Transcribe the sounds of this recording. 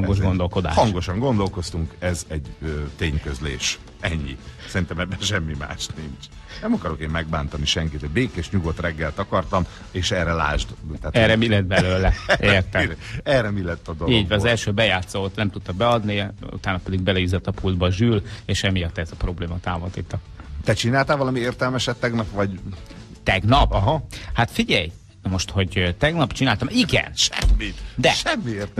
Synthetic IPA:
ŋɡo̞ʒɡo̞nd̪o̞lko̞d̪a̰ːʃhɒŋɡo̞ʃɒŋɡo̞nd̪o̞lko̞st̪uŋkɛzɛɟøt̪eːɲkøzlḛːʃ | ɛɲːḭsɛɾint̪ɛmɛbːɛnʃɛmːima̰ːʃniɲt͡ʃ | nɛmɒkɒɾo̞keːmːɛɡ̚baːnt̪ɒniʃɛŋkit̪ɛɟbeːkeːʃɲuɡo̞t̪rɛɡːɛlt̪ɒkɒrt̪ɒm | eːʃɛrɛla̰ːʒd̪t̪ɛːt̪ɛrɛmilɛd̪̚bɛløːlɛʔeːrt̪ɛɛːrɛmilɛt̪ːɒd̪oiːɟvɛɒzɛlʃøːbɛjaːt̪sot̪nɛmt̪ut̪ːɒbɛɒd̪niṵt̪aːnːɒpɛd̪iɡ̚bɛlɛizɛt̪ːɒpuld̪bɒʒyleːʃɛmijɒt̪ːɛzɒpro̞bleːmɒt̪aːvot̪iːt̪ːɒ | t̪ɛt͡ʃinaːlt̪aːvɒlɒmieːrt̪ɛlmɛʃɛt̪ːɛɡnɒpʋɒɟ | t̪ɛɡnɒpɒɦɒhat̪fiɟɛj | mo̞ʃt̪ho̞ɟt̪ɛɡnɒpt͡ʃinaːlt̪ɒmiɡɛ̰nʃɛmːit̪d̪ɛʃɛmːieːrt̪

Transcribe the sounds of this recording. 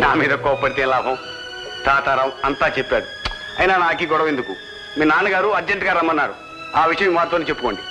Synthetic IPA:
naːmiːd̪ɐkɔːpɐɽit̪iːnlaːbʱɐm | t̪aːt̪ɐɾɐmɐnt̪aːt͡ʃepːaːɽu | ɐ̰jnaːnaːk̬iɡɔɽɐ̃ʋend̪uku | miːnaːnuɡaːɾuɐd͡ʒeɳʈɡaːɾɐmːɐnːaːɾu | aːʋiʂɐjɐmʋaːɾt̪oniːt͡ʃepːuko̞ːɳɖi

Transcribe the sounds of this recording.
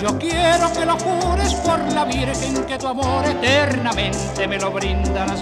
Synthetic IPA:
d͡ʒokjeɾokelo̞kuɾespoɾlaβiɾekeŋket̪uamoɾet̪eɾnamẽ̞nt̪e̞melo̞βɾind̪alas

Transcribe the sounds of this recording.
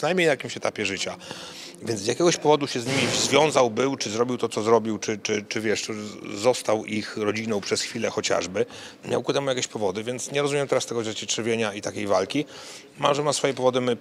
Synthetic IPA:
ʂɨnajmʲɲejnajakʲimɕɛt̪apʲjɛʐɘt͡ɕa | vʲjɛnt̪zjakʲɛɡɔɕpɔvɔd̪uɕɛzɲimʲivzvʲjɔ̃w̃zawbɘwt͡ʂɘzɾɔbʲiwt̪ɔt̪sɔzɾɔbʲiwt͡ʂɘt͡ʂɘt͡ʂɘvʲjɛʂzɔst̪awixɾɔd͡ʑinɔ̃w̃pʂɛsxfʲilɛxɔt͡ɕa̰ʐbɘ | mʲja̰wkut̪ɛmujakʲeɕpɔvɔd̪ɘvʲjɛnt̪sɲɛɾɔzumʲjɛmt̪ɛɾast̪ɛɡɔzɛt͡ɕɛt͡ʂɛɾvʲjeɲait̪akʲejvalkʲi | maʐɛmasfɔjɛpɔvɔd̪ɘmɘ

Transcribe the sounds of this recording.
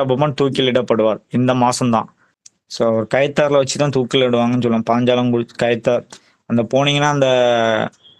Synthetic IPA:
ɐbɐmaːt̪uːkɪlɪɽɐpːɐɽɯʋaːɾɪnd̪ɐmaːsɐmt̪ã̰ː | soːɐʋɐɾɯkɐjɐt̪ːaːɾlɐʋɐt͡ʃːɯt̪ãːt̪uːkːɪlɽɯʋaːŋɡɐnːɯsɔlːɐ̃ːɐpaːɲd͡ʒaːlɐmkʊɽɯt͡ʃːkɐjɐt̪ːaːɾ | ɐnd̪ɐpoːniŋɡɐnaːɐnd̪ɐ

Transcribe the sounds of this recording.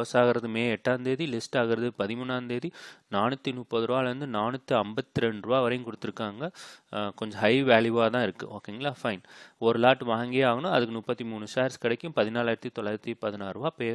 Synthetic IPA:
ɐsaːɣɪɾɐðɯmeːɛʈːaːnd̪eːðilɪsʈaːɣɪɾɐðɯpɐðɪmuːnːaːnd̪eːðinaːnɯt̪ːinʊpːɐðɯɾɯʋaːlɾɯnd̪ɯnaːnɯt̪ːɯɐmbɐt̪ːɯɾɛɳɾɯʋaːʋɐɾɐjɯ̃kʊɽɯt̪ːɯɾɯkːaːŋɡɐkɔɲd͡ʒɔ̃ɦɐɪʋaːljuaːt̪ãːɪɾɯkːɯ̰oːkːeŋɡɐlaːfɐɪnɔɾɯlaːʈʋaːŋɡeːaːɣɐnʊ̃ɐðɯkːɯmʊpːɐt̪ːimuːɳɯsaːɾskɪɽɐkːɯ̃mpɐðɪnaːlaːɪɾɐt̪ːit̪ɔlːaːɪɾɐt̪ːipɐðɪnaːɾɯʋaːpeː

